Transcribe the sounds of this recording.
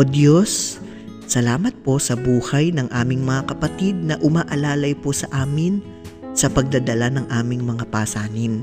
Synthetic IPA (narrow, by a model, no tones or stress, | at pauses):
od̪josː | ɐlaːmɐt̪̚po̞sɐbuːhɐjnɐŋʔaːmɪŋmɐŋakɐpɐt̪id̪̚nɐʔʊmaːʔɐlaːlɐjposɐʔaːmɪn | sɐpɐɡ̚d̪ɐd̪ɐlanɐŋʔaːmɪŋmɐŋapaːsaːnɪn